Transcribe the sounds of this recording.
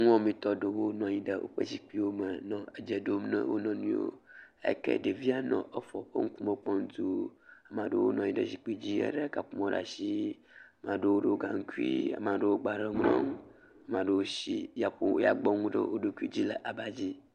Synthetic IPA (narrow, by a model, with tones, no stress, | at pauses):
ŋ˦ɔ̃˦mĩ˨t̪ɔ˦ɖə˨wo˦nɔ̃˨ɲĩ˦ɖə˨wʔo̰˦ɸə̰˦d͡ʑi˨k͡pi˦wo˦mə˨nɔ̃˨ə˨d͡ʒɛ˨ɖo˦mnə̰̃˦wo̰˦nɔ̃˨nũ˦o̰˦ḛ˦kḛ˦ɖe˨vi˦a˦nɔ̰̃˨ə˦fɔ˨ɸə˦ŋ̩˦ku˦mə̃˦k͡pɔ˦ŋ̩˦t̪u˦a˨mã˨ɖə˦wo˦nɔ̃˨ɲĩ˦ɖə̰˨d͡ʑi˨k͡pi˦d͡ʑi˦ɛ̰˦ɖə˦ka˨ɸu˦mɔ̃˨ɖa̰˨si˦ | a˨mã˨ɖe˦wo˦ɖe˦wo˦ɡa˨ŋ̩˦ku˦i˦a̰˨mã˨ɖe˦wo˦ɡ͡ba˨ɖe˦ŋ˦ɔ̰̃˦ŋ˦ | a˨mã˨ɖə˦wo˦si˦ja˨ɸo̰˦ja˨ɡ͡bɔ˦ŋu˦ɖə̰˦wʔo˦ɖo˦ku˦i˦d͡ʑi˦lə˨ʔa˨ba˦d͡ʑi˦